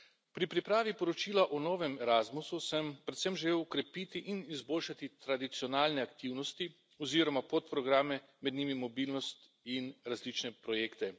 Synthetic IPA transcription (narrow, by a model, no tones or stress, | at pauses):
pɾipɾipɾaːʋipɔɾɔt͡ʃiːlaʔɔnɔːʋɛmɛɾaːzmususɛmpɾɛt̪sɛmʒɛleːwkɾɛpiːt̪iʔinizboːlʃat̪it̪ɾad̪it̪siɔnaːlnɛakt̪iwnɔst̪i | ɔziːɾɔmapot̪pɾɔɡɾaːmɛ | mɛd̪niːmimɔbiːlnɔst̪ | inɾazlit͡ʃnɛpɾɔjeːkt̪ɛ